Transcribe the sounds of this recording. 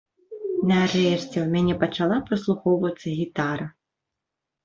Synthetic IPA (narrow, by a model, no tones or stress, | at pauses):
nɐːɾɛʂt͡sʲɛwmʲanʲɛpɐt͡ʂalˠapɾɨslˠuxɔwvɐt̪sːɐɣʲit̪aɾɐ